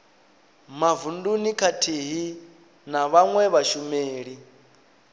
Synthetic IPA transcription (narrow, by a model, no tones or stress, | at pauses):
mavundunikʰatʰiɦi | naβaŋwɛβaʃumeːɺi